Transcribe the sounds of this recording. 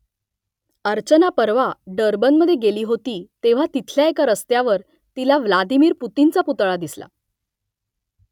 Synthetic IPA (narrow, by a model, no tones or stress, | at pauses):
əɾt͡ɕənapəɾʋaɖəɾbənməd̪ʱːjeɡeliːɦot̪iːt̪eʋ̤at̪it̪ʰljaekaɾəst̪jaʋəɾ | t̪ilaʋlad̪imiːɾput̪int͡saput̪ɭad̪isla̰